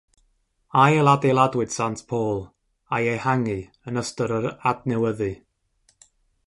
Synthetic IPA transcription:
ajɛlˠadelˠadwɨd̥santʰpʰoːlˠ | ajehaŋɨ | ənəstəɾəɾadnɛwəðɨ

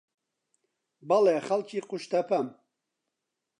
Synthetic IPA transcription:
bɐleːxɐlt͡ʃiːqʊʃt̪ɐpʰɐm

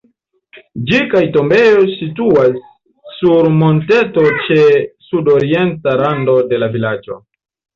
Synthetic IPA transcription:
d͡ʒikajto̞mbe̞jo̞jsituasː | uɾmo̞nte̞to̞t͡ʃe̞sudo̞ɾie̞ntaɾando̞de̞lavilad͡ʒo̞̰

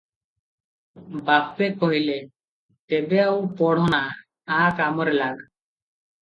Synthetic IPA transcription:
bapːekɔɦile | t̪ebeawpɔɽ̤ɔna | akamɔɾelaɡ

